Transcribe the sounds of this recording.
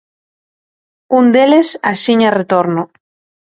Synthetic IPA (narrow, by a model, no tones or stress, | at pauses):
und̪elesa̰siɲaret̪oɾno